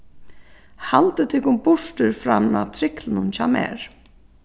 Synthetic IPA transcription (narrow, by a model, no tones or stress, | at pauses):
halt̪ɪt̪ʰɪkʊmbʊʂt̪ʏɾfɾana̰t̪ʰɾɪklɪnʊnt͡ɕʰamɛ̰ːɾ̥